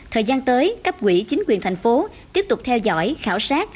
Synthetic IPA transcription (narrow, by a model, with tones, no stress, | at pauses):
t̪ʰəː˨˩jzaː˧nt̪əː˨˦jka˦˥p̚kwḭ˧˩t͡ɕï˨˦ŋ̟kwi˨˩ənt̪ʰa˨˩jŋ̟fo˨˦ | t̪i˦˥əp̚t̪ʊ˨˩k͡p̚t̪ʰɛ˧wzɔ̰˧˥jxaː˧˩wsaː˦˥t̚